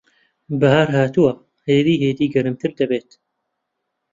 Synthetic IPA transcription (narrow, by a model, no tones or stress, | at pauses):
bɐɦaːɾɦaːt̪uwɐ | heːd̪iːheːd̪iːɡɐɾɨmt̪ʰɨɾd̪ɐbeːt̪